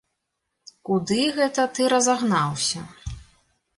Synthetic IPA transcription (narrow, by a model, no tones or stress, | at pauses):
kud̪ɨɣɛt̪ɐt̪ɨɾɐzaɣnawsʲɐ